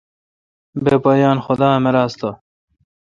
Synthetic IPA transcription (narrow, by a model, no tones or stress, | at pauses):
beːbɐjɑːnxʊd̪ɑːmɐɾaːst̪o